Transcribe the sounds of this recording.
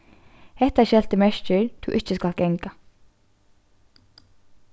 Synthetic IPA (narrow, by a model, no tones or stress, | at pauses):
hɛt̪æʃɛlt̪əmɛʃt͡ʃəɹd̪̥ṵːʔɪt͡ʃəskɑlɡ̥ɛŋka